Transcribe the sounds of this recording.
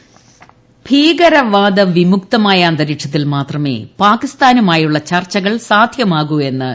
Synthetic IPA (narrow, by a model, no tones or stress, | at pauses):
b̥ʱiːɣɐɾɐʋaːd̪ɐʋimuk̚t̪ɐmaːjɐːnd̪ɐɾiʂɐt̪ːilmaːt̪rɐme̞̰ːpaːkist̪aːnumaːjuɭːɐt͡ɕɐrt͡ɕːɐɣɐɭsaːd̪ʱjɐmaːɣue̞nːɨ̰